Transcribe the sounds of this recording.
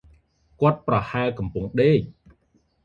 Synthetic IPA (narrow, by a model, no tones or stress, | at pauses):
kŏət̪̚prɑhaəlkɑmpʊŋɗeːc̚